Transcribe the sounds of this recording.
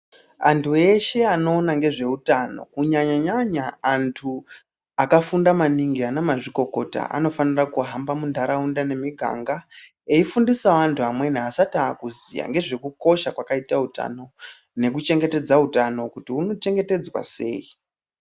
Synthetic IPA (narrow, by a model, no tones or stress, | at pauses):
antʰue̞ʃe̞ano̞ːnaŋɡe̞ʐe̞utano̞̰kuɲaɲaɲaɲaːntʰu | akafundamaniŋɡianamaʐiko̞ko̞ta̰ʔa̰no̞fanirakuɦambamundʱaɾaundane̞miɡʱa̰ŋɡa | e̞ifundisaʋantʰuamwe̞niasataːkuzḭja̰ŋɡe̞ʐe̞kuko̞ʃakwakaitauta̰no̞ | ne̞k̬ut͡ʃe̞ŋɡe̞te̞d͡zautano̞kutiuno̞t͡ʃe̞ŋɡe̞te̞d͡zwa̰se̞̰ːi